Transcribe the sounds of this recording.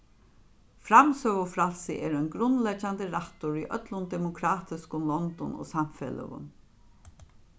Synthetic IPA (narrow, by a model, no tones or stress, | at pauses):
fɾamsœːɣʊfɾalsɪʔeːɾœnɡɾʊnːlɛt͡ʃːant̪əɾaht̪ʊɹiʔœ̰t̪lʊnd̪ɛmʊkʰɾaːt̪ɪskʊmlɔnt̪ɔno̰ːsamfɛ̰lə̰ɣʊ̰m